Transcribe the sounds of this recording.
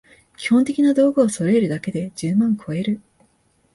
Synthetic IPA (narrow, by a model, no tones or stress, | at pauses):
kʲi̥hõnt̪e̞kʲinad̪o̞ːɡɯːso̞ɾeɾɯ̟d̪ake̞d̪e̞d͡ʑɨːmãŋkʰo̞e̞ɾɯ̟